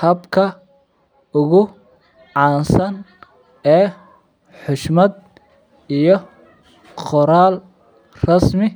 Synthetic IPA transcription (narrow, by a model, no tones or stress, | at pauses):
hɐbkʰɐ | ʊɣʊ | ʕɑːnsɐn | ɛː | ħʊʃmɐd̪̚ | ijɔ | qɔɾaːl | rɐsmɪ